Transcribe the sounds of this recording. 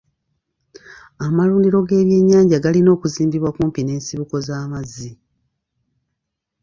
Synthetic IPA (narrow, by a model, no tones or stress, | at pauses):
amaluːndiɾo̞ɡe̞ːβje̞ɲːaːɲɟaɡalino̞ːkuziːmbiβwakuːmpine̞ːnsiβuko̞zaːmazi